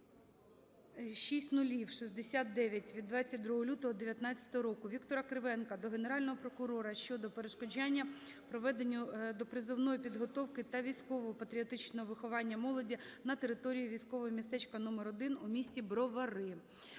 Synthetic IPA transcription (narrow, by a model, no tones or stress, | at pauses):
ʃisʲtʲnʊlʲiwʃizʲd̪esʲat̪̚d̪ɛʋʲjɐtʲʋʲid̪ʋɑt͡sʲːɐt̚ʲd̪ɾuɦɔlʲut̪ɔɦɔd̪eʋʲjɐt̪nɑt͡sʲːɐ̥t̪ɔɦɔɾɔkʊʋʲikt̪ɔɾɐkɾɪʋɛnkɐd̪ɔɦene̞ɾɑlʲnɔɦɔpɾɔkʊɾɔɾɐʃt͡ʃɔd̪ɔpeɾeʃkɔd͡ʒanʲːɐpɾɔʋɛd̪enʲːʊd̪ɔpɾɪzɪwnɔjipʲid̪ɦɔt̪ɔwkɪt̪ɐʋʲijsʲkɔʋɔɦɔpɐt̪ɾʲiɔt̪ɪt͡ʃnɔɦɔʋɪxɔʋɑnʲːɐmɔlˠɔdʲinɐt̪eɾɪt̪ɔɾʲijiʋʲijsʲkɔʋɔɦɔmʲist̪ɛt͡ʃkɐnɔmeɾɔd̪ɪnʊmʲisʲtʲibɾɔʋɐɾɪ